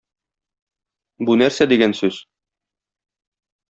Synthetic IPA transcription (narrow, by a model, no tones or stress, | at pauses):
bunæɾsæd̪iɡænsʉz̥